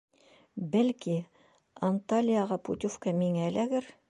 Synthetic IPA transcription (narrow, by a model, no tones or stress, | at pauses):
bælki | ɐnt̪alʲijɑʁɑpṵt̪ʲufkɑmiŋælʔæɡɘɾ